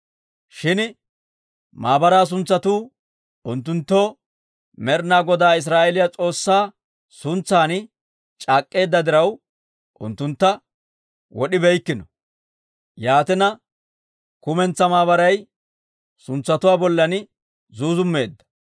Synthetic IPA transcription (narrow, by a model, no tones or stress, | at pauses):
ʃɪn | maːbɐɾaːs̬ʊnt͡sːɐt̪uː | ʊnt̪ːʊnt̪ːo̞ː | mɛɾnaːɡɔd̪aːɪs̬ɾaːʔɛlɪjat͡sʼo̞ːsːaː | sʊnt͡sːaːn | t͡ʃʼaːkʼːe̞ːd̪ːɐd̪ɪɾɐw | ʔʊ̰nt̪ːʊnt̪ːɐ | wɔɗɪbɛjkːɪnɔ | jaːt̪ɪnɐ | kʊmɛnt͡sːɐmaːβɐɾɐj | sʊnt͡sːɐt̪ʊwaːbɔlːɐn | zuːzʊmːe̞ːd̪ːɐ̥